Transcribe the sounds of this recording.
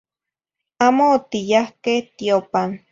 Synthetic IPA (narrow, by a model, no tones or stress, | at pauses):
amoːt̪ijahkeht̪jopan